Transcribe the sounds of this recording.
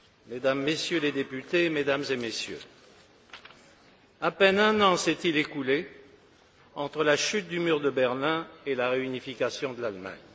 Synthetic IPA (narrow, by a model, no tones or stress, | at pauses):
med̪amːesjøled̪epyt̪emed̪amzemesjø̰ | apɛnɛ̃nɑ̃sɛt̪ilekule | ɑ̃t̪χəlaʃyt̪̚d̪ymyʁd̪əbɛʁlɛ̃elaʁeynifikasjɔ̃d̪əlalma̰ɲ